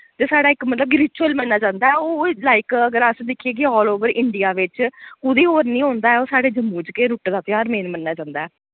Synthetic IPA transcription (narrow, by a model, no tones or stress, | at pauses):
t̪eːsaːɽaːɪkmət̪ləb̚ɡɾɪt͡ʃuəlmənːaːt͡ʃãːnd̪aːɛoːlaːɪkəɡəɾəsd̪ɪkʰːeːɡiɦɔːloːʋəɾɪɳɖijaːʋɪt͡ʃkʊd̪iːɦoːɾnĩːɦõːnd̪aːɛoːsaːɽeːd͡ʒəmːuːd͡ʒkeːɾʊːʈd̪aːt̪ɪjaːɾmẽːnmənːaːt͡ʃãːnd̪aːɛː